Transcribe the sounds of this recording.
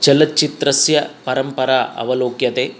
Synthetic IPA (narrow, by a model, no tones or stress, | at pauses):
t͡ʃɐlɐt͡ʃit̪ɾɐsjɐpɐɾɐmpɐɾaːʔɐ̰ʋɐloːkjɐt̪eː